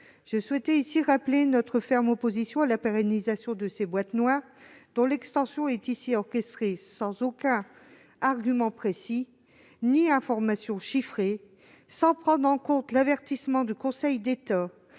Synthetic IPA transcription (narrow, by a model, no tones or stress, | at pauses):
ʒ̥əswɛt̪ɛisiʁaplenɔt̪χəfɛʁmɔpozisjɔ̃alapeʁɛnizasjɔ̃d̪əsebwat̪nwaʁd̪ɔ̃lɛkst̪ɑ̃sjɔ̃ɛt̪isiɔʁkʲɛst̪χesɑ̃zokɛ̃ | aʁɡʲymɑ̃pχesi | niɛ̃fɔʁmasjɔ̃ʃifχe | sɑ̃pχɑ̃d̪ʁɑ̃kɔ̃t̪lavɛʁt̪ismɑ̃d̪ykɔ̃sɛjd̪et̪a